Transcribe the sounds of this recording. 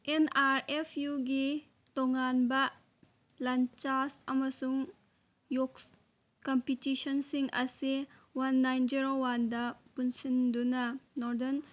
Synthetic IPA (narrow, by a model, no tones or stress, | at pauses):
enaɾepʰjuɡi | toŋanbɐ | lant͡ʃasɐmɐsuŋ | joks | kɔmpitisɔnsiŋɐsiwanːajnd͡ʒiɾowandɐpunsindunɐnɔɾdɐn